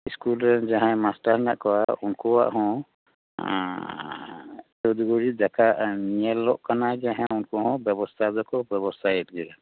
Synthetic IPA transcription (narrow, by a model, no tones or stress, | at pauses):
iskulɾɛnd͡ʒaɦãjmasʈaɾnaʔkɔwaunkɔwa̰ʔɦɔ̃ | t͡ʃɔd̪uɡɔɾid͡ʒakʰaʔniɛlːɔʔkanad͡ʒaɦãunkɔɦɔ̃bjɛbɔst̪ʰad̪ɔkɔbjɛbɔst̪ʰajɛt̪̚ˀɡɛɾa